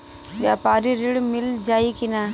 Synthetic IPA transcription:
ʋjaːpaːɾiɾɪɽmɪld͡ʒaːikinaː

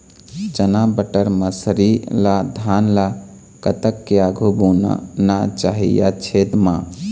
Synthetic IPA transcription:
t͡ʃənabəʈəɾməsɾilad̪ʱanla | kət̪əkːeaɡʱubona̰nat͡ʃaɦḭja̰t͡ʃʰed̪mã

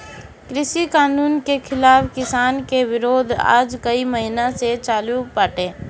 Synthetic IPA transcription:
kɾɪʃikaːnuːnkekʰɪlaːfkɪsaːnkeʋɪɾoːd̪ʱa̰ːd͡ʒkəiməɦɪnaset͡ʃaːlupaːʈẽː

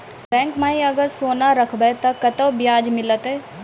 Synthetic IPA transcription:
bɛ̃ːŋkmaːĩɐɡəɾsoːnaɾɐkʰbet̪ɐkɐt̪əbjaːd͡ʒmɪlət̪ɦɛː

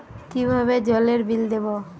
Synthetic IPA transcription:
kibʱaβed͡ʑɔleɾbild̪ebo

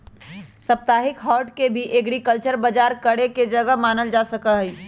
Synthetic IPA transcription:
səp̚t̪aːɦɪkɦɔːʈkebʱiʔeɡɽikəlt͡ʃəɾbəd͡ʒaːɾkəɽeked͡ʒəɡəmaːnəld͡ʒaːsəkəɦi

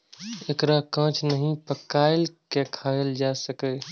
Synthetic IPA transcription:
ekɾakə̃t͡ʃnəɦĩpəkaelkekʰaeld͡ʒasəkə

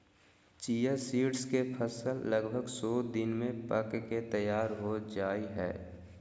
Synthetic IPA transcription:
t͡ʃiːjəɾsiːɖskepʰəsəlːəɡbʱəɡsɔːd̪ɪnmẽpəkket̪əjaːɾɦod͡ʒaːiɦɛ̰ː

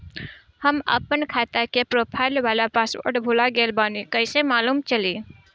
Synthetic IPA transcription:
həmə̰pənkʰat̪əkepɾoːpʰaɪlʋalapaso̰ɾʈbʱulaɡelbanikəɪsemaːluːmt͡ʃəli

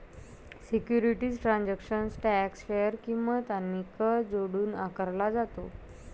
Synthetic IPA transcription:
sikjuɾiʈiːd͡zʈɾãnd͡ʑakʂənsʈæksfejəɾkimʋat̪anːikəd͡zoɽuːnakəɾlad͡zat̪o

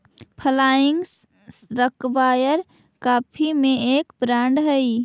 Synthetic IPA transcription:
pʰəlaiŋɡs | sɾəkbajəɾ | kapʰimeekbɾaɳɖɦəj

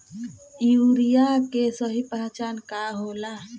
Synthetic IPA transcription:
juːɾijakesəɦipaːt͡ʃaːnkaɦoːla

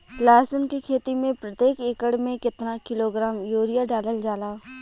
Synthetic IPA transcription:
laːsʊnkikʰeːt̪imẽpɾət̪jeːkeːkəɽmẽkɪt̪nakɪloːɡɾaːmjoːɾɪjaɖaːləld͡ʒaːlaː

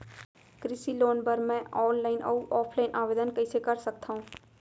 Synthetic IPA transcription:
kɾɪsiloːnpɐɾmɛ̃ʔɔːnlaːɪnʔɔːʔɔːpʰlaːɪnʔaːʋeːd̪ənkɐɪsekɐɾsɐk̚t̪aɦũː

